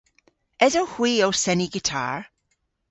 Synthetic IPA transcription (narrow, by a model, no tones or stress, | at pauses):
ɛzowhw̥iːowsɛniɡɪtʰa̰ɹ